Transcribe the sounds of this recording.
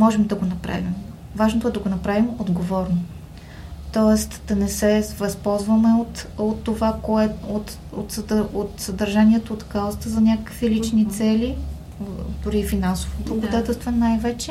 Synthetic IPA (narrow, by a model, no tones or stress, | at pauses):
mɔʒɛmd̪ɐɡonɐpɾa̰vim | vaʒnot̪oɛd̪ɐɡonɐpɾavimod̪ɡovɔɾno | t̪ɔɛst̪d̪̥ɐnɛsɛvɐspɔlˠzvəmɛot̪ot̪ːovakoɛot̪ | ot̪sot̪sɐd̪əɾʒanʲiɛt̪oːt̪kaɔst̪əzɐnʲakəkvilit͡ʃnit̪sɛli | d̪ʊɾifinansovob̪ˠɐɡod̪at̪ɛlˠst̪vɛnajvɛt͡ʃɛ